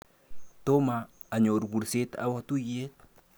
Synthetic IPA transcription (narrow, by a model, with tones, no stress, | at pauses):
t̪o˦maː˨ | ɲo˨ɾbu˨ɾse˦t̪a̰˦wa˦t̪u˦je˦t̪̚